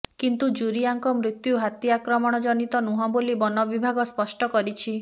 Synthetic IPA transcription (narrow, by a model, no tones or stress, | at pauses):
kint̪ud͡ʒuɾiaŋkɔmɾit̪juɦat̪jiakɾɔmɔɽ̃ɔd͡ʒɔnit̪ɔnuɦɔ̃bolibɔnɔbibʱaɡɔspɔsʈɔkɔɾit͡ʃʰi